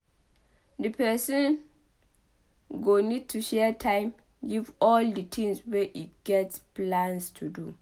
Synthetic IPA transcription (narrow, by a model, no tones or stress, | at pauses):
dəpʰɛsɔ̃n | ɡonid̚tʰːuʃɛtʰãɪ̃m | ɡivɔldətʰĩŋswɛʔitɡ̥ɛtsplãnstʰudu